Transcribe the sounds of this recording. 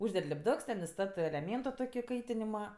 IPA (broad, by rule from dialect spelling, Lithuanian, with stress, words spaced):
ˈʊʒʲdʲɛtʲ lʲɪbˈdʊks tʲɛn ɪˈstɑːtɜ ɛlʲɛˈmʲeːntoː ˈtoːkʲɪ ˈkɐɪtʲɪnʲɪmɐ